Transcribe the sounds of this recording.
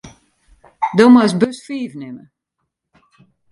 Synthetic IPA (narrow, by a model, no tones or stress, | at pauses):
domasbøsfiːvnɪmə̰